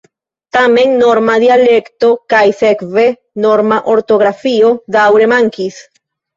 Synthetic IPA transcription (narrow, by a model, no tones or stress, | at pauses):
t̪ame̞nːo̞ɾmad̪ialekt̪o̞kajsekve̞ | noɾmaʔo̞ɾt̪o̞ɣɾafio̞d̪awɾe̞maŋkis